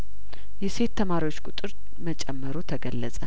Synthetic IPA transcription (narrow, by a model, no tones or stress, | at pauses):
jɛse̞t̪ːəmaɾiwo̞t͡ʃːkʼʊt̪ʼɨɾ | mət͡ʃʼɛmːəɾot̪ʰəɡəlːəsʼə